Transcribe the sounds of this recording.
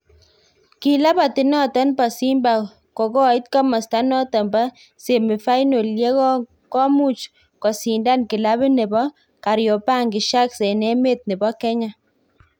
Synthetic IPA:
ki˨la˦pa˨ti˨nɔ˦ta˦npa˨si˦mba˨ | ko˨kɔ˦˨ɪ˦t̚ka˦ma˨sta˦nɔ˦tɔ˨mba˦ | se˨mɪ˨fa˦jno˨lje˦kɔ˦ | kɔ˦mu˦t͡ʃ | kɔ˨si˨nda˦˨nki˨la˦βɪ˦ne˨bɔ˦ | ka˨ɾjɔ˨pa˦˨ŋɡi˨ʃa˦kse˨nɛ˦me˦t̚ne˨bɔ˦kɛ˦ɲa˦˨

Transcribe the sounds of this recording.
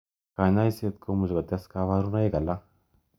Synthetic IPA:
ka˨ɲa˦i˦se˦˨t̪kʰo˦mu˨zɡa˨t̪a˦ska˧βa˦ɾu˦na˦i˦ɡa˨lːa˦

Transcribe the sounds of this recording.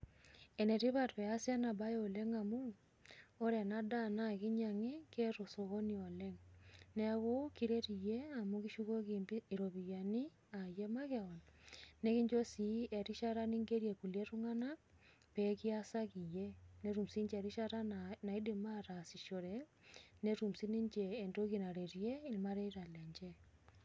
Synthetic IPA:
e˨ne˨ɾi˦βa˨ɾβea˦sja˦na˨βa˦jo˨le˦ŋa˨mu˦ | o˦ɾe˨nada˦na˦ɣi˦ɲaŋi˦ke˦ɾo˨so˨ɣo˦nio˨leŋne˦a˦ɣo˦kiɾe˦ɾi˨je˦a˨muɣiʃu˦ɣo˦ɣimbii˨ɾo˨βi˨jani˦ | a˨je˦ma˦ɣeonane˦ki˦ɲd͡ʒo˦si˨e˨ɾi˦ʃa˦ɾa˦ni˦ŋɡe˦ɾije˨ku˨lje˦ɾu˦ŋa˦na˦ | peki˦a˦sa˦ki˨je˦ne˦ɾu˨msi˦ɲd͡ʒe˨ɾi˦ʃa˦ɾa˦na˨i˦di˨ma˦ɾa˨si˨ʃo˨ɾe˨ne˦ɾu˨msi˦ni˦ɲd͡ʒeː˨ndo˦ki˨na˨ɾe˨ɾie˦i˦lma˦ɾe˦iɾa˨lɛ˨ɲd͡ʒɛ˦

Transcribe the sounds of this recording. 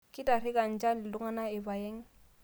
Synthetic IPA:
kʼɪ˦ta˨rɪ˦ka˨n̩˨t͡ʃa˦lɪ˨lʊ˦ŋa˦na˦ɪ˨ba˨jɛ˦ŋ̩˦

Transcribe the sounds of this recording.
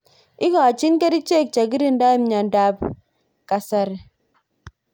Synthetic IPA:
i˦ɡɔ˨a˨t͡ʃi˦nke˦ɾi˦t͡ʃe˦˨k̚t͡ʃa˨ɡi˦ɾi˦n˦da˦i˦m˦ɲa˨n˦da˦p̚ | ka˨sa˦ɾ

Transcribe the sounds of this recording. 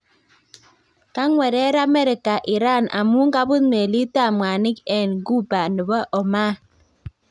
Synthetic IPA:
ka˦ŋwe˨ɾe˦ɾa˦me˦ɾi˨ka˨ʔi˨ɾa˦˨na̰˨mu˦ŋ̩˦ka˦bu˦tme˨li˦ta˦˨mʷ˨a˨ni˦ke˨nɡu˦ba˨nɨ˨bɔ˦ʔɔ˨ma˦

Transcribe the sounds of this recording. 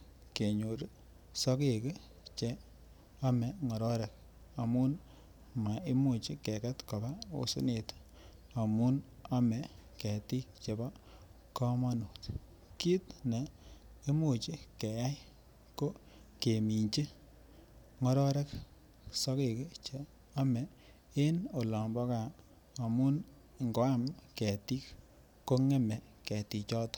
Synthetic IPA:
ke˨ɲo˨ɾ | sɔ˦ke˨ke˦ | t͡ʃe˦ | a˦mɛ˨ŋɔ˨ɾɔ˦ɾɛ˨k | a˨mu˦n | ma˨e˦mu˨t͡ʃi˦ke˨ka˦tkɔ˨ba˦o̰˨sṵ˦ne˨t | a˨mu˦n | a˦mɛ˨kɛ˨ti˦kt͡ʃe˨ba˦ | kɔ˦mɔ˦no˨t | ki˦tne˨ | e˦mo˨t͡ʃi˦kɛ˨ja˦j | ko˦ | ke˨mi˨ɲt͡ʃi˦ | ŋɔ˦ɾɔ˦ɾɛ˦k | sɔ˦ke˨ke˦t͡ʃe˨ | a˦mɛ˨ | e˦no˨lɔ˨mbɔ˦ka˨ | a˨mu˦n | ŋɡɔ˨˦a˦˨mkɛ˨ti˦k | ko˦ŋɛ˦mɛ˨ | kɛ˨ti˨t͡ʃɔ˦tɔ̥˦

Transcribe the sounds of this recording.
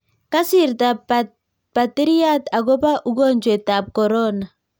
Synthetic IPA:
ka˦si˦˨ɾta˨ | pa˨ti˦ɾi˦a˦ta˨ɡɔ˦pa˦ʔu˦ɡɔ˦˨nd͡ʒwe˨ta˨p̚kɔ˨ɾɔ˦na˨

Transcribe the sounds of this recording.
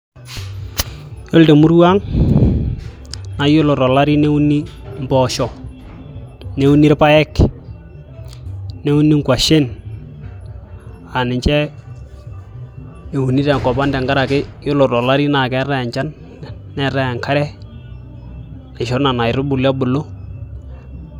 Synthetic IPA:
jo˦lte˨mu˦ɾwa˦ŋ | na˨jo˦lo˨ɾɔ˨la˦ɾi˦ne˦u˦ni˦mbɔ˨ʃɔ˨ | ne˦u˦ni˦ɾpa˦ɛ˦k | ne˦u˦ni˦ŋkwa˨ʃe˦n | a˨nɪ˨ɲt͡ʃɛ˦ | e˨u˨ni˦ɾɛ˨kɔ˨pa˦ndɛ˨ŋɡa˦ɾa˨kɪ˦jo˦lo˨ɾɔ˨la˦ɾi˦na˨kɛ˦rɛ˦˨ɲt͡ʃa˦nː | ɛ˨ɾɛ˦a˨ŋkʰa˦ɾɛ˦ | na˨ʃo˦ɾna˨na˨ɪ˨ɾʊ˦bʊ˨la˦bʊ˨lo˦

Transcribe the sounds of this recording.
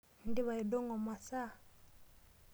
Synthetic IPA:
n̩˦di˦βa˨i˨dɔ˦ŋɔ˨ma˨sa˦˨

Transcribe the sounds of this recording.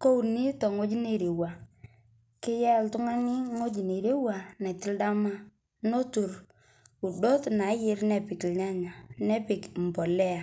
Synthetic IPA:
ko˦u˨ni˦tɔ˨ŋo˦d͡ʒi˦ne˨ɾe˨wa˨ | kɪ˦jɛ˦ltʊ˦ŋa˦nɪ˦ŋo˦d͡ʒi˨ne˨ɾe˦wa˨na˨tɪ˦lda˦ma˦ | no˦tu˨ɾ | u˨do˦tna˨˦jɪ˦rnɛ˨pɪ˨kɲa˦ɲa˨nɛ˦pɪ˨km̩˨pɔ˨lɛ˦a˨

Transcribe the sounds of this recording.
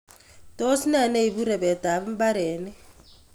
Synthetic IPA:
tʼo˦si˦na˨ne˦i˨bu˦ɾɛ˨bɛ˨tʼa˨βu˦m̩˦ba˦ɾɛː˨nɛ˦

